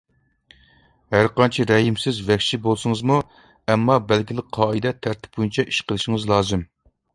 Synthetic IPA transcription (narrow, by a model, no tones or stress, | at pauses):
hæɾqɑnt͡ʃʰiɾɛɦimsɪzvɛkʲʃibolˠsɨŋɨzmu | ɛmːɑbælɡʲilˠɪk̚ʲqʰɑːɨd̪ɛt̪ʰæɾt̪ʰɪ̥p̚b̥ojint͡ʃʰɛʔi̥ʃqʰəlˠɨʃɪŋɨzlˠɑːzɨm